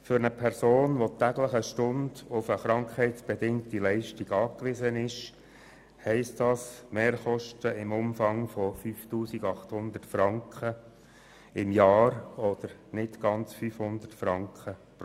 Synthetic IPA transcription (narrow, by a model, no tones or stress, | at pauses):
fʏɾnəpʰɛɾsoːnʋot̪æɡləχəʃtʊndʊfəχɾɑŋkhɛɪtsb̥ɛdɪŋtilɛɪʃtiɡɑːkʋɪzənɪʃ | hɛɪstd̥ɑːsmeːɾχɔʃtəɪmʊmfɑŋfɔfyːftuːsiɡɑχthʊnd̪ətfɾɑŋkχə | ɪmjɑːɾɔd̪̥əɾnɪtɡ̥ɑnt͡sfyːfhʊnd̪ətfɾɑŋkχəp